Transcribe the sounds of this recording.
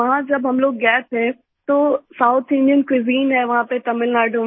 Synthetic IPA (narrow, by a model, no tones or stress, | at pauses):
ɐɦãd͡ʑɐbɦɐmloːk̚ɡɛːpɦɛː | t̪oːsaːʊt̪ʰɪ̃nɖijənkwɪziːnɦɛːʋɐɦãpet̪ɐmɪlnaːɖʱũ